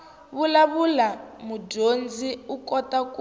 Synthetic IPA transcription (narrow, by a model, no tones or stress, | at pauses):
βulaβulamuɟond͡ziukʼɔtʼaku